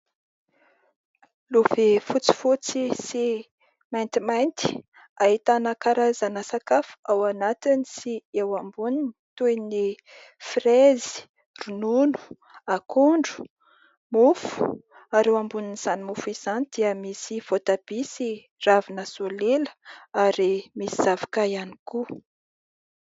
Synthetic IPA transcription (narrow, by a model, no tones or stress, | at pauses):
lovefut͡si̥fut͡sisi | majnt̪imajnt̪i̥ | aɦit̪anakaɾazanasakafu̥awanat̪inisiewambunint̪uejni | frezi̥ | rununu̥ | akuɳɖ͡ʐu̥ | mufu̥ | aɾewambuniniz̥animufuiz̥anid̪̥iəmisiv̥ot̪ab̥isi | ravinəsoleləaɾimisiz̥avḁkajaniku